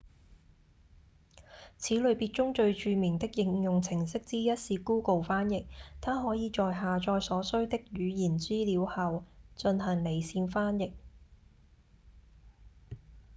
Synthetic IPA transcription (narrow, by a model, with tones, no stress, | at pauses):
t͡sʰiː˨˥lɵ˨˧ɥpiː˧t̚t͡ʃʊ˥ŋt͡ʃɵ˧ɥt͡ʃyː˧mɪ˨˩ŋt̪ɪ˥k̚jɪ˧ŋjʊ˨ŋt͡sʰɪ˨˩ŋsɪ˥k̚t͡siː˥jɐ˥t̚siː˧kuː˥ko˨wfaː˥njɪ˨k̚t̪ʰaː˥ɦɔː˨˥jiː˨˧t͡ʃɔː˨˧jɦaː˨˩t͡ʃɔː˧jsɔː˨˥sɵ˥ɥt̪ɪ˥k̚jyː˨˧jiː˨˩nt͡siː˥liː˨˧˥whɐ˨˧wt͡ʃɵ˧nɦɐ˨˩ŋle˨˩jsiː˧nfaː˥njɪ˨k̚